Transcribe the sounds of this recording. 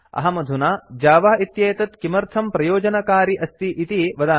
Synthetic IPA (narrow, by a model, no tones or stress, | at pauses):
ɐ̰ɦɐmɐd̪ʱunad͡ʒaːʋaːit̪jeːt̪ɐt̪kimɐɾt̪ʰɐmpɾɐjoːd͡ʒɐnɐkaːɾiʔɐst̪iʔit̪iʋɐd̪aː